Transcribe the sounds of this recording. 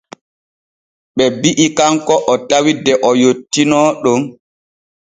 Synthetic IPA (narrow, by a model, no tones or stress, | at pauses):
ɓɛbiʔikaŋkɔʔɔtawidɛʔɔjotːinɔɗɔm